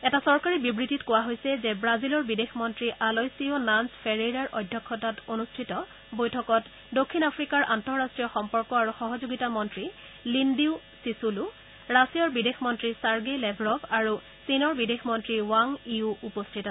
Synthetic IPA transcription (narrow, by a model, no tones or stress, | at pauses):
ɛtasɔɹkaɹibibɹititkʊwaɦojsɛzebɹazilɔɹbidexmɔntɹiʔalojsiɔnanspʰeɹeɹaɹʔɔjdʱjɔkʰːɔtatonustʰitɔ | bojtʰɔkɔt | dokʰːinapʰɹikaɹʔantɔɹɹastɹijɔxɔmpɔɹkɔaɹuxɔɦɔzoɡitamɔntɹi | lindiu | sisulu | ɹasijɔɹbidexmɔntɹisaɹɡelɛbʱɹɔbaɹu | sinɔɹbidexmɔntɹiwaŋiuupɔstʰitasɛ